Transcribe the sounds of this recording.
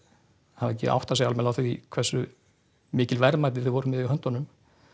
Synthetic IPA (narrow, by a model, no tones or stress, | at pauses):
havɛcːɪ̰ʔa̰wht̪asɛɣalmɛlaθiḭkʰvɛrsːʏ | mɪːcɪlvɛɾmajt̪̬ɪθɪðvɔːɾʏmɛðɪœnt̪ɔnʏm